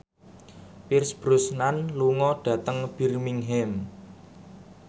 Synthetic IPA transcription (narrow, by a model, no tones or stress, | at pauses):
pirsb̥ɾʊsnanluŋɔɖ̥ä̤t̪əŋb̥i̤rmiŋɦɛm